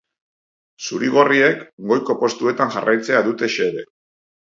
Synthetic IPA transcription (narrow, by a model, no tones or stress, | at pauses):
suɾiɣ̞o̞rie̞kɡo̞jko̞po̞st̪ue̞t̪aŋʝarajt͡se̞aðut̪e̞ʃe̞ðe̞